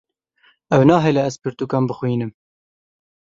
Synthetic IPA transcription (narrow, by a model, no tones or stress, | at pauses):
ɛwnɑːɦɛlɛæzpɨɾt̪uːkɑːmbɨxwiːnɨm